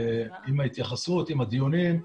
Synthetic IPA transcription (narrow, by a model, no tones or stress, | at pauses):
imait̪jaχasut̪imad̪ijunim